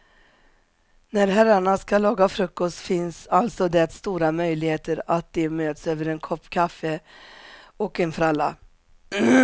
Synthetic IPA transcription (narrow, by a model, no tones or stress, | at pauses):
næɾɦæɾːaɳaskalɑːɡafɾɵkːɔst̪fɪnsalt̪sɔd̪ɛt̪st̪uːɾamœjlɪɡheːt̪əɾat̪̚d̪ɛmøːt̪søːvəɾɛnkʰɔpːkʰafːə | ɔkɛnfɾalːa̰